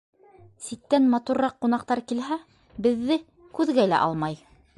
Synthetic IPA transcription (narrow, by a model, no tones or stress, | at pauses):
sit̪ːænmɑt̪urːɑqːun̪ɑqt̪ɑɾkilɦæ | bɘ̆ðːɘ | kʉðɡælæ̰ʔɑ̰lˠmɑj